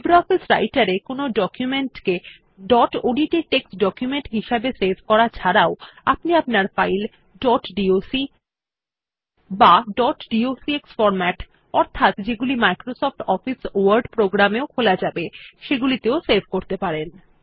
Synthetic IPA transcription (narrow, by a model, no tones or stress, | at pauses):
bɾɔfisɾa̰jʈaɾekonoɖɔkjumeɳʈke | ɖɔʈoɖiʈiʈeksɖɔkjumeɳʈɦiʃabeseɾbʱkɔɾat͡ɕʰaɾaoa̰pniapnaɾfajl | ɖɔʈɖiosi | baɖɔʈɖiosieksfɔɾmɛʈ | ɔɾt̪ʰat̪d͡ʑeɡulimajkɾosɔfʈɔfisoaɾɖpɾoɡɾameokʰolad͡ʑabeʃeɡulit̪eoseɾbʱkoɾt̪epaɾen